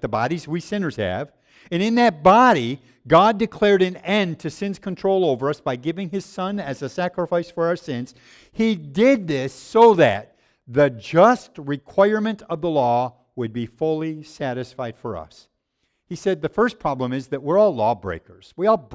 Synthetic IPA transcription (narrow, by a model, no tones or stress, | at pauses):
ðəbɑɾizwisɪ̃nə˞z̥ɨ̰v | ɨ̃nɨ̃nðɨt̚b̥ɑɾi | ɡɑdɨkʰl̥ɛɹɾɨ̃nɛ̃ntʰɨsɪ̃nz̥kʰɨ̃ntʰɹ̥oʊlˠoʊvə˞ʌsb̥aɪɡɪvɪ̃ŋɨz̥sʌ̃nɨzɨsækɹəfaɪsfə˞aə˞sɪ̃nz̥ | hidɪd̪̚ðɪsoʊðɨ̰t̪̚ | ðɨd͡ʒʌst̚ɹɨkʰw̥aɪ˞mɨ̃ntʰʌvðəlɔ | wəd̚bifʊlˠisæɾɨsfaɪd̥fə˞ʌ̰s | hisɛd̪̚ðɨfɜ˞spʰɹ̥ɑblə̃mɨzðɨt̚wɪɹɔlˠlɔbɹḛɪkə˞z̥wiɔlˠ